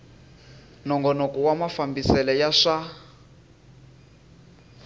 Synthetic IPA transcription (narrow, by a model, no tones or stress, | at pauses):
nɔŋɡɔnɔkuwamafambisɛlɛjaʂa